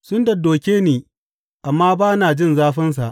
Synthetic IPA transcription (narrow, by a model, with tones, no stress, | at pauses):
sʊ˦ndɐ˨doː˨kʲeː˦niː˨ | ʔa˨mːaː˦baː˦naː˨d͡ʒɪ˦nzaː˦ɸɐ˦ns̬a˨ʔ